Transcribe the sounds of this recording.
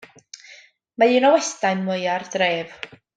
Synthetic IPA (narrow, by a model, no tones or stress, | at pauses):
maiːnɔwɛstajnmwəjard̥reːv̥